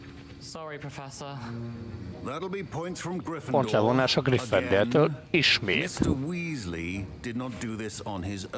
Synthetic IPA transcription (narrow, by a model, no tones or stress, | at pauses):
sɒɹipʰɹ̥əfɛsə | ðəɾl̩ˠbipʰɔ̃ɪ̃ntsfɹə̃mɡɹɪfpont̪lɛvonaːʃɒɡrifːɛnd̪ɛt̪øːliʃmḛːtsəwiːzlid̥ɪdⁿnət̚d̥əðɪsn̩ɪz